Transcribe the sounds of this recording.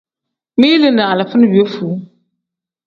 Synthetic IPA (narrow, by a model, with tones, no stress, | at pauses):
miː˦lɨ˨na˨a˨la˨fʊ˦n˦bi˨o˦fuː˨˦